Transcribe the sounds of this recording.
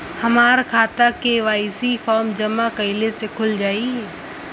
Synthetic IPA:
hɐmaːɾkʰaːt̪akeʋaːisifʰɔːɾmd͡ʒɐmakɐɪlesekʰʊld͡ʒaːiɦɛː

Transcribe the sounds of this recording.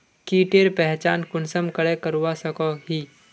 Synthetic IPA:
kiːʈeɾpɛɦt͡ʃaːnkʊnsəmkɐɽekəɾuʋasɐkoɦiː

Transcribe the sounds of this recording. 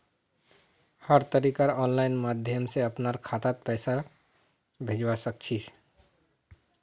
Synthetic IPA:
həɾt̪əɾikaɾɔnlainmad̪ʱjəmseəpnaɾkʰat̪at̪̚pɛːsa | bʱed͡ʒwasək̚t͡ʃʰi

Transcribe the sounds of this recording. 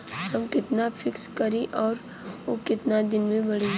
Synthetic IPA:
ɦɐmkɪt̪nafʰɪkskɐɾiʔɔːɾ | okɪt̪nad̪ɪnmẽbɐɽi

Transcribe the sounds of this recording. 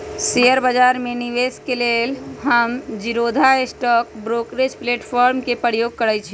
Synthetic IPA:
seəɾbəd͡ʒaɾmeniʋeskelelɦəmd͡ʒiɾod̪ʱaesʈɔk̚bɾokɾed͡ʒpleʈpʰɔɾmkepəɾjoɡ̚kəɾɛt͡ʃʰi

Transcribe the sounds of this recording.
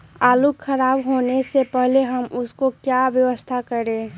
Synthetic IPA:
aːlukʰəɾaːbɦoːnesepəɦleɦəmʊskokjaʋjəʋəst̪ʰakəɾẽː

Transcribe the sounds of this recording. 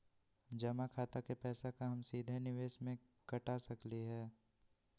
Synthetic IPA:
d͡ʒɐmakʰaːt̪akepɛːsakaɦɐmsiːd̪ʱenɪʋeːʃmẽ | kɐʈasɐkliɦɛː

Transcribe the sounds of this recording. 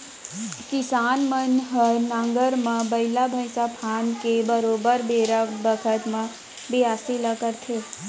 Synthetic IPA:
kɪsaːnmənɦənãŋɡəɾmãbəɪlabʱəɪsapʰaːnkebəɾoːbəɾbeːɾabəkʰət̪mã | bʱiaːsiləkəɾt̪ʰe

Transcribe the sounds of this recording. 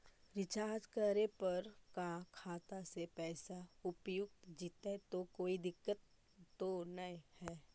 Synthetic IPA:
ɾɪt͡ʃaːd͡ʒkəɾepɐɾkakʰaːt̪asepɛːsaʊpjʊk̚t̪d͡ʒit̪et̪okoːid̪ɪkːət̪ː | onɐĩhɛː

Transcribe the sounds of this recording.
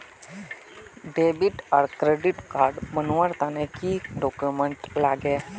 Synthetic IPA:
ɖebiʈaɾkɾeɖiʈkaɾɖbənʋaɾt̪anẽkiːɖɔkjuməɳʈlaːɡe

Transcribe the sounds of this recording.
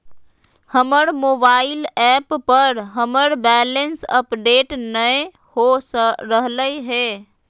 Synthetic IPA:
həməɾmoːbaːɪlɛːppəɾɦəməɾbɛːlənsəpɖeːʈnəj | hosəɾəɦləiɦeː

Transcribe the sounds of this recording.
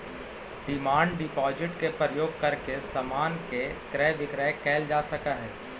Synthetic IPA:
ɖɪmaːɳɖɖɪpɔːd͡ʒɪʈkepɾəjoːɡ̚kɐɾkesɐmaːnkekɾɛːʋɪkɾɛːkɛːld͡ʒaːsɐkaɦɛː

